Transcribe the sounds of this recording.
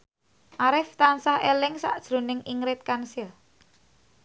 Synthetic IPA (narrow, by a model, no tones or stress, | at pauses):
ʔaɾɪft̪ansahelɪŋsa̰ʔd̥ʒ̥ɾo̤nɪŋiŋɾɪt̪̚kansɪl